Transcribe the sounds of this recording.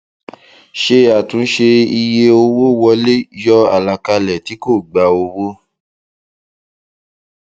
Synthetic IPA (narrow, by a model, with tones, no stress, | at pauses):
ʃe˧a˨tũ˨˦n̩˦ʃe˧i˧je˧o˧wo˦wɔ˧le˦jɔ˦a̰˨la˧ka˧lɛ˨ti˨˦ko˦˨ɡ͡ba˧o˧wo˦